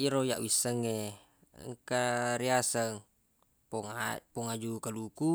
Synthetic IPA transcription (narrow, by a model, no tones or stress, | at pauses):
iɾojaʔwisəŋe | ŋkaɾiasəŋ | papɔŋad͡ʒukaluku